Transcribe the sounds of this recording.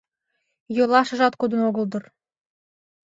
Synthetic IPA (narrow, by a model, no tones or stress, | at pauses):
jolɑʃɤ̆ʒɑt̪kod̪ə̆noɣə̆ld̪ɤ̆r